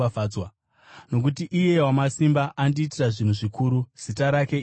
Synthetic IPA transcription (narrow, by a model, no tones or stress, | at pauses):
afaːwa | no̞k̬ut̬iʔije̞wamasimbaʔandiːtiraʐin̤uʐikuːɾuz̥itaɾake̞